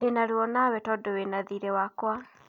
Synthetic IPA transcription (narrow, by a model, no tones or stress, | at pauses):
enaɾuɔnawɛtɔdowenaðiɾɛwakwa